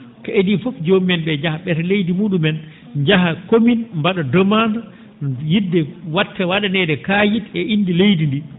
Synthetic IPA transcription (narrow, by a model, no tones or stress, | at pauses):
kaedifɔfd͡ʒomɛnɓɛd͡ʒahaɓɛɾlejdimuːɗumɛn | d͡ʒaɦakominmbaɗɔdɔmanda | jidːɛwatʰːɛwaɗanɛdɛkajitɛʔinːdilejdindi